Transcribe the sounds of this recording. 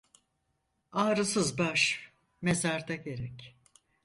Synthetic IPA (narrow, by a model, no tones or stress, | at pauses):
aːɾɯsɯzbaʃ | me̞zaɾd̪aɟe̞ɾɛc